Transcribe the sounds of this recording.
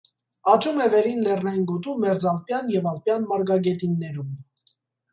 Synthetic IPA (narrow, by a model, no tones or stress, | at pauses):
ɑt͡ʃumɛvɛɾinlɛrnɑjinɡɔt̪umɛɾd͡zɑlpjɑnjɛvɑlpjɑnmɑɾɡɑɡɛt̪inːɛɾum